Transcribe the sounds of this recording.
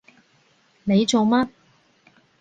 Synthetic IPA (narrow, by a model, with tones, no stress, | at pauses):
ne˨˧jt͡so˨wma˥